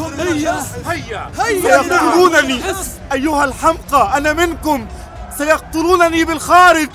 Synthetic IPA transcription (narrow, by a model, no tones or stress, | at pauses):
sajɑq̚t̪ʊluːnaniːʔajːʊhalħamqɑʔanamɪnkʊm | sajɑq̚t̪ˤʊluːnaniːbɪlxaːɾɪd͡ʒ